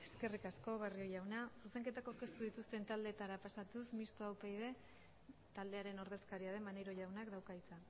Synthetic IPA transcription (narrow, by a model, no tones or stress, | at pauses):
e̞ske̞rikasko̞βerio̞ʝawnasuse̞ŋke̞t̪akoɾke̞st̪uðit̪ust̪e̞nt̪ald̪eːt̪aɾapasat̪usmist̪oawpejðe̞ | t̪ald̪e̞aɾe̞no̞ɾð̞e̞skaɾiaðe̞manejɾo̞ʝawnakd̪awkajt͡sa